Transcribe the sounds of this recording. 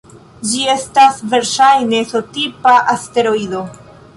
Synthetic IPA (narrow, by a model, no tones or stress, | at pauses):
d͡ʒie̞stasve̞ɾʃajne̞so̞tipaʔaste̞ɾo̞ido̞